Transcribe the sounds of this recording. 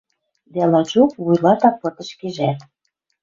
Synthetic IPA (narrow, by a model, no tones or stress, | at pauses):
d̪ælɑt͡ɕukβujlɑt̪ɑpːɤ̆t̪ə̆ʃkeʒæt̪